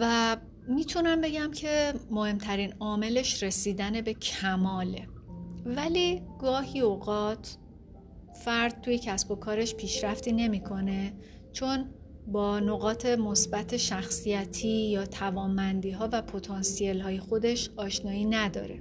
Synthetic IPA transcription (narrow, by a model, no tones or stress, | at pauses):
væ | miːt̪ʰunæmbe̞ɟæmcʰe̞mohe̞mt̪ʰæɾiːnɒːme̞le̞ʃɾe̞siːd̪æne̞be̞cʰæmɒːle̞væliːɡɒːɦiːoɣɒːt̪ʰ | fæɾd̪̥̚t̪ʰuːje̞cʰæsbo̞kʰɒːɾe̞ʃpʰiːʃɾæft̪iːne̞mikʰo̞ne̞ | t͡ʃʰo̞n | bɒːno̞ɣɒːt̪ʰe̞mo̞sbæt̪ʰe̞ʃæxsijæt̪ʰiːjɒːt̪ʰævɒːmbænd̪iːɦɒːvæpʰot̪ʰɒːnsielɦɒːje̞xo̞d̪e̞ʃɒːʃnɒːiːnæd̪ɒ̰ːɾe̞̰